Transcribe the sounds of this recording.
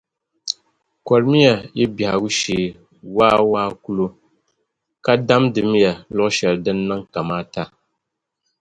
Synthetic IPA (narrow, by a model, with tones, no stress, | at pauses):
kɔ˨ɾmi˦ja˨ji˦bi˨ha˨ɡu˦ʃeː˨ | waː˦waː˦ku˦lo˦ | ka˦da˦mdɨ˨m˦ja˨lʊ˦ʔʃɛ˨ldɨ˦nːɨ˦ŋka˨maː˦ta˦˨